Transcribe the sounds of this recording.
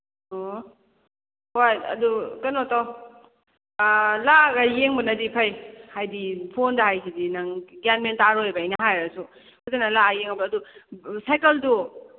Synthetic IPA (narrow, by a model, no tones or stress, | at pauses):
o | hojɐ̰dukɐnɔtaw | laɡajeŋbɐnɐdipʰajhajdipʰondaɦajsʰidinaŋɡanmentaɾojbajnaɦajɾasu | kʰozanalaajeŋabɐːdusajkɐldu